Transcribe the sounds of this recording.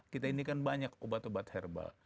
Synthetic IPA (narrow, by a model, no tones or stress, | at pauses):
kit̪ainikanbaɲakobat̪obat̪hɛrba̰